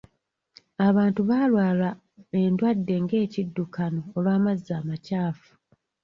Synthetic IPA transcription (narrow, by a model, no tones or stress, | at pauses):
aβaːntuβaːlwaːla | e̞ndwadːe̞ŋɡe̞ːcidːukano̞ːlwaːmazːaːmacaːfu̥